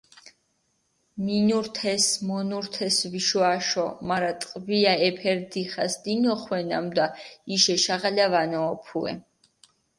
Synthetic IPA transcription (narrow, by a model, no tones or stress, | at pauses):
minuɾt̪ʰɛsmɔnuɾt̪ʰɛsviʃuaʃɔmaɾat̪ʼqʼviaɛpʰɛɾd̪iχasd̪inɔχwɛna̰md̪aiʃɛʃaʁalavanɔːpʰuɛ̰